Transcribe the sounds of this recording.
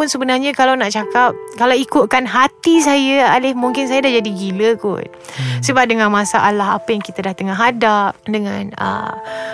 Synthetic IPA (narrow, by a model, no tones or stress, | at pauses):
ʊnsəbənarɲãkalawnaʔt͡ʃakap̚kalawikʊt̪̚kanɦat̪is̬ajəalɪhmuŋkɪns̬ajadahd͡ʒadiɡiləkʊ̰n | səbap̚dəŋãnmãsaʔalaɦa̰pajaŋkit̪adaht̪əŋaɦadap̚dəŋãnə̰m